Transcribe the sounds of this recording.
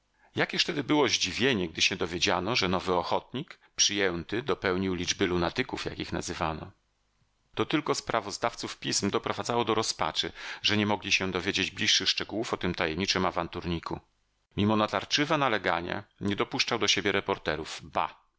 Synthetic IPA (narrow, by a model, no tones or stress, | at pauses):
jakʲɛʂt̪ɛd̪ɘbɘwɔʑd͡ʑivʲjeɲɛɡ̚d̪ɘɕɛd̪ɔvʲjed͡ʑanɔʐɛnɔvɘɔxɔt̪ɲik | pʂɘjɛnt̪ɘd̪ɔpɛwɲiwlʲid͡ʐbɘlunat̪ɘkufja̰kʲixna̰zɘvanɔ̰ | t̪ɔt̪ɘlkɔspɾʔavɔzd̪aft̪sufpʲismd̪ɔpɾɔvad̪zawɔd̪ɔɾɔspa̰t͡ʂɘʐɛɲɛmɔɡlʲiɕɛd̪ɔvʲjed͡ʑed͡ʑblʲiʂːɘxʂt͡ʂɛɡuwufɔt̪ɘmt̪ajɛmɲit͡ʂɘmavant̪uɾɲiku | mʲimɔnat̪aɾt͡ʂɘvanalɛɡa̰ɲa̰ɲɛd̪ɔpuʂt͡ʂawd̪ɔɕebʲjɛɾɛpɔɾt̪ɛɾuvba̰